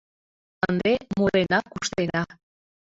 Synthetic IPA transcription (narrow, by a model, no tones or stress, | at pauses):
and̪emoɾenakuʃt̪eɾa